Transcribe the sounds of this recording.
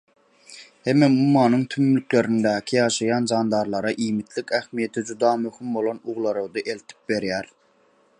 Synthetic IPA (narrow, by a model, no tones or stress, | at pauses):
hemːemumːɑːnɯŋt̪ʰymːlykʲleɾind̪æːkʲʰijɑːʃɑjɑnd͡ʒɑːnd̪ɑɾlˠɑɾɑʔiːmit̪ʰlikʲæxmijet̪ʰid͡ʒud̪ɑːmøhimbolˠonuʁlˠɑɾɯwd̪ɯʔelt̪ʰi̥p̚be̞ɾjæɾ